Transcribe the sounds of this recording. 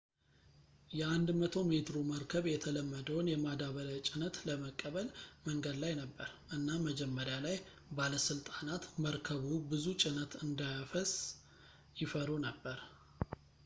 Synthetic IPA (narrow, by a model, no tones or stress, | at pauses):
jɛand̪mət̪ʰo̞me̞t̪ɾoməɾkʰəβjɛt̪ʰələmːəd̪əwnjɛmad̪aβələt͡ʃʼɪnət̪ləməkʼːəβəlməŋɡəd̪lajnəbːəɾʔɨnːaməd͡ʒɛmːəɾjalaj | baləsɨlt̪ʼanat̪məɾkʰəβubɨzut͡ʃʼɪnət̪ʰɨnd̪ajafəs | jɪfəɾunəbːəɾ